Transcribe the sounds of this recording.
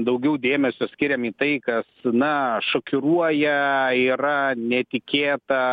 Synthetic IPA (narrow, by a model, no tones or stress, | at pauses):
d̪ɐʊɡʲɛʊd̪ʲeːmʲɛsʲʊsʲkʲɪɾʲɛmiːt̪ɐɪkɐsnɐʃokʲʊɾuɔjɛiːɾɐnʲɛt̪ʲɪkʲeːt̪ɐ